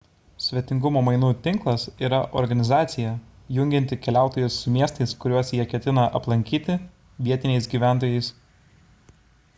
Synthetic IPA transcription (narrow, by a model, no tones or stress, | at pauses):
sʲʋʲɛt̪ʲɪŋɡʊmoːmɐɪnuːt̪ʲɪŋklˠɐsiːɾɐʔɔ̰ɾɡɐnʲɪzɑːt̪sʲɪjɛ | jʊŋʲɡʲɪnt̪ʲɪkʲɛlʲæˑʊt̪oːjʊsːʊmʲiɛst̪ɐɪskʊɾʲuɔsjiɛkʲɛt̪ʲɪnɐʔɐplˠɐŋʲkʲiːt̪ʲɪ | ʋʲiɛt̪ʲɪnʲɛɪsɡʲiːʋʲæˑnt̪oːjɛɪs